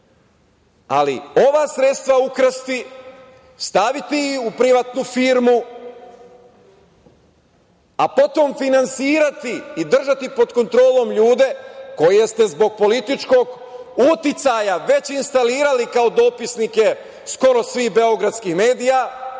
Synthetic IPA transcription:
a̰lḭo̞ʋasɾe̞t̪st̪ʋaukɾst̪i | st̪aʋit̪iiupɾiʋat̪nufiːɾmu | a̰po̞t̪o̞mfinansiːɾat̪iːd̪r̩ʒat̪ipo̞d̪ko̞nt̪ɾo̞ːlo̞mʎuːd̪e̞ko̞jeest̪e̞zbo̞ɡ̚po̞lit̪it͡ʃko̞ɡ | ut̪it̪sajaʋe̞t͡ɕinst̪aliːɾalikao̞d̪o̞pisnike̞ | sko̞ɾo̞sʋiːxbe̞o̞ɡɾadt̪skixme̞ːd̪ija

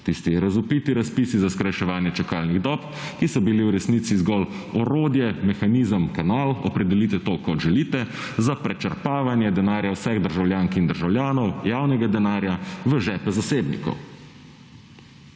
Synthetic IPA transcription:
t̪ist̪ijɛɾazupit̪iɾaspiːsizaskɾajʃɛʋaːnjɛt͡ʃakaːlniɣd̪ɔːp | kisɔbiliwɾɛsniːt̪sizɡɔl | ɔɾoːd̪jɛmɛxaniːzəmkanaːlɔpɾɛd̪ɛliːt̪ɛt̪oːkɔt̪ʒɛliːt̪ɛ | zapɾɛt͡ʃəɾpaːʋanjɛd̪ɛnaːɾjawsɛɣd̪əɾʒawljaːŋkind̪əɾʒawljaːnɔwjaːwnɛɡad̪ɛnaːɾjaʋəʒɛːpɛzaseːbnḭkɔ̰w

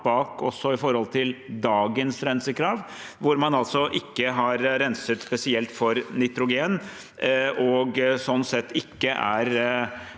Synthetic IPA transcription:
bɑːkɔsːɔɪfɔɾhɔlt̪ʰɪld̪ɑːɡənsɾɛnsəkʰɾɑːʋ | ʋʊɾmɑnɑlsɔʔɪkːəɦɑɾːɛnsət̪spɛsɪɛlt̪fɔɾnɪt̪ɾʊɡeːn | ɔɡsɔnːsɛt̪ːɪkːəʔæ̰ɾ

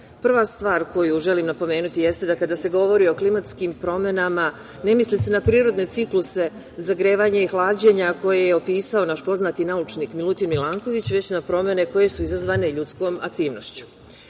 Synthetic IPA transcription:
pr̩ʋast̪ʋaːɾko̞juʒe̞limnapo̞me̞ːnut̪ije̞st̪e̞d̪akad̪aːse̞ɡo̞ʋo̞ɾio̞klimat̪skimpɾo̞me̞nama | ne̞mislise̞napɾiːɾo̞d̪ne̞t̪ikluse̞ | zaɡɾe̞ːʋaɲaixlˠaːd͡ʑe̞ɲako̞jejeopiːsao̞naʃpo̞znat̪inaut͡ʃniːkmilut̪inmilˠaːŋko̞ʋit͡ɕʋe̞t͡ɕnapɾo̞me̞ne̞ko̞je̞suizazʋaːne̞ʎut̪sko̞ːma̰kt̪iːʋno̞ʃt͡ɕu̥

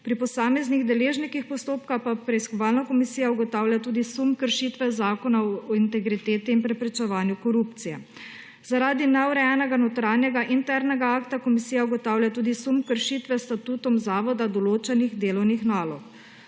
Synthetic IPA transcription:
pɾipɔsaːmɛzniɣd̪ɛleːʒnikixpɔst̪oːpkaxpapɾɛiskɔʋaːlnakɔmisiːjauɡɔt̪aːwljat̪uːd̪isumkəɾʃit̪ʋɛzaːkɔnaɔɔint̪ɛɡɾit̪eːt̪iːnpɾɛpɾɛt͡ʃɛʋaːnjukɔɾuːpt̪sijɛ̰ | zaɾaːd̪inɛuɾɛjɛnɛɡanot̪ɾanjɛɡaʔint̪ɛɾnɛɡaaːkt̪akɔmisiːjauɡɔt̪aːwlʲjat̪uːd̪isumkəɾʃiːt̪ʋɛst̪at̪uːt̪ɔmzaːʋɔd̪ad̪ɔloːt͡ʃɛniɣd̪eːlɔwnixnaːlɔk

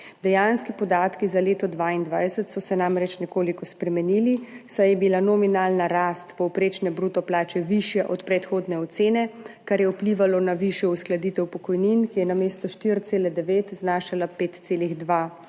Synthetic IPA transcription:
d̪ɛjaːnskipɔd̪aːt̪kizaleːt̪ɔd̪ʋaind̪ʋaːjsət̪sɔsɛnamɾɛt͡ʃnɛkoːlikɔspɾɛmɛniːlisajɛbilanɔminaːlnaɾaːst̪pɔwpɾeːt͡ʃnɛbɾut̪ɔplaːt͡ʃɛʋiʃjɛʔɔt̪pɾɛt̪xoːd̪nɛɔt̪seːnɛkaɾjɛupliːʋalɔnaʋiʃjɛusklad̪it̪ɛwpɔkɔjninkijɛnameːst̪ɔʃt̪iɾt̪seːlɛd̪ɛʋeːt̪znaːʃalapeːt̪t̪seːliɣd̪ʋa

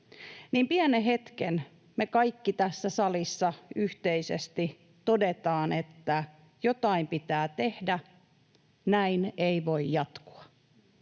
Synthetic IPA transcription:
niːmpiæneɦe̞t̪ken | mekɑikːit̪æsːæsɑlisːɑyht̪eisḛst̪i | t̪o̞det̪ɑːnet̪ːæ | jo̞t̪ɑimpit̪æːt̪e̞hdæ | næineiʋo̞ijjɑt̪ku̥ɑ

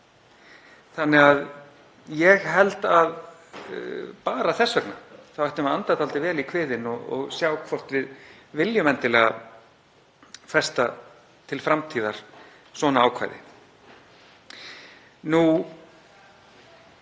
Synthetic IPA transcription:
θanːɛɣað | jɛɣɦɛlt̪að | paːɾaθɛsːvœkna̰θawɛht̪ʏmaant̪at̪ʰalt̪ɪvɛːlikʰvɪːðɪnɔɣɔ̰ɣsjaːwkʰv̥ɔr̥t̪vɪð | vɪljʏmɛnt̪ɪlɛːɣa | fɛst̪a | t̪ʰɪlfɾamt̪ʰiːðaɾ̥ | svɔːnaaːwkʰv̥a̰jðɪ̰ | nu

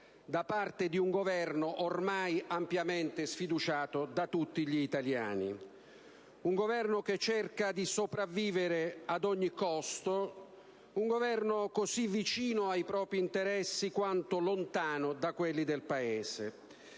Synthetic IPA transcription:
d̪apart̪ɪd̪iuŋɡovɛrnoʔormajampjamɛnt̪ɪsfid̪ut͡ʃaːt̪od̪at̪ut̪ːiʎiːt̪alja̰ːnḭ | uŋɡovɛrnok̟et͡ʃːɛrkad̪isopɾavːiːvɪɾɪad̪ɔɲːikɔst̪o | uŋɡovɛrnokosivːit͡ʃiːnʊajpɾɔːpɾiːnt̪eɾɛsːikwant̪olont̪aːnʊd̪akwelːid̪elpaeːse

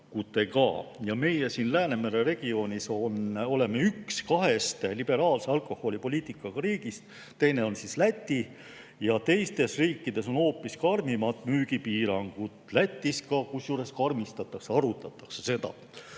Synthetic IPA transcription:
kut̪ːˑe̞kɑ̰ːjɑme̞jesiːnlæːne̞meɾere̞ɡ̥io̞ːnʲiso̞no̞le̞me̞ykskɑɦe̞st̪lib̥e̞ɾɑːlse̞ɑlko̞ho̞lʲipo̞lʲiːt̪ˑikːˑɑɡ̥ɑɾiːɡ̥ist̪ | t̪e̞jne̞o̞nsislæt̪ʲːˑi | jɑt̪e̞jst̪e̞sriːkːid̪̥e̞so̞no̞ːpːˑiskɑrmimɑt̪ːˑmyːɡ̥ipiːɾɑŋɡ̥ut̪ˑlæt̪ʲːˑiskɑkusjuːɾe̞skɑrmist̪ɑt̪ːˑɑkseɑɾut̪ˑɑt̪ːˑɑ̥ksese̞d̪ɑ̰

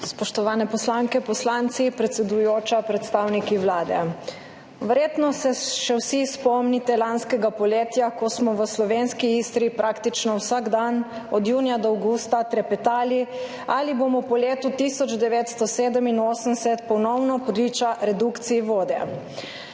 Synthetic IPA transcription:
spɔʃt̪ɔʋaːnɛpɔslaŋkɛpɔslant̪sipɾɛt̪sɛd̪ujoːt͡ʃapɾɛt̪st̪aːwnikiwlaːd̪ɛ̰ | ʋɛɾjeːt̪nɔsɛʃɛwsispɔmnit̪ɛlanskɛɡapɔleːt̪jakɔsmɔʋəslɔʋenskiist̪ɾipɾʔaːkt̪it͡ʃnɔwsaɡd̪an | ɔd̪juːnijad̪ɔawɡust̪at̪ɾɛpɛt̪aːli | aliboːmɔpɔleːt̪ut̪isɔd͡ʒd̪ɛʋeːt̪st̪ɔseːd̪əminoːsənsɛt̪pɔnɔwnɔpɔd̪lit͡ʃaɾɛd̪ukt̪siiʋoːd̪ɛ̰

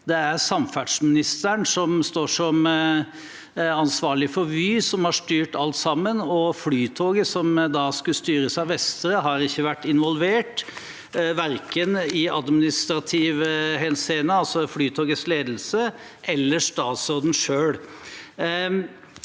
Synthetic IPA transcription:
d̪ɛæɾsɑmfæɖʂmɪnɪst̪əɳsɔmst̪oːʂɔm | ɑnsʋɑːɭɪfɔɾʋyːsɔmhɑʂt̪yːʈɑlt̪sɑmːənɔflyːt̪ʰoːɡəsɔmd̪ɑskʉlst̪yːɾəsɑʋɛst̪əɾəɦɑɾɪçːəʋæʈːɪnʋɔlʋeːʈ | ʋæɾkənɪɑ̰d̪mɪnɪst̪ɾɑt̪ʰiːʋəhɛnseːnəɑlsɔflyːt̪ʰoːɡəsleːd̪lsə | ʔɛlːəʂt̪ɑːt̪sɔd̪n̩ʂøːɽ

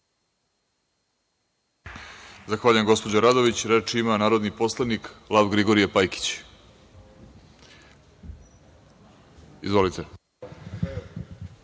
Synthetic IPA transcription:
zaxʋaːʎujemɡo̞spo̞d͡ʑaɾad̪o̞ʋit͡ɕɾet͡ʃimanaːɾod̪nipo̞slˠaniklˠaʋɡɾiɡo̞ɾijepajki̥t͡ɕ | izvʋo̞lit̪e

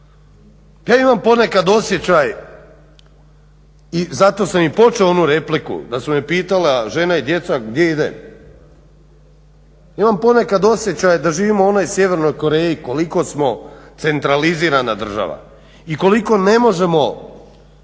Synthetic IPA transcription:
jaːimampo̞ne̞kad̪o̞sje̞t͡ɕaj | izat̪o̞ːsamipo̞t͡ʃeoonuɾe̞plikṵd̪asumepiːt̪aleʒe̞naid̪je̞t̪saɡd̪je̞id̪ḛm | imampo̞nekad̪o̞sjet͡ɕajd̪aʒiːʋimoonajsje̞ʋe̞ɾnojko̞ɾe̞ːjiko̞liko̞smo̞t̪se̞nt̪ɾaliziːɾanad̪r̩ʒa̰ʋa̰ | iko̞liko̞ne̞mo̞ʒe̞mo̞

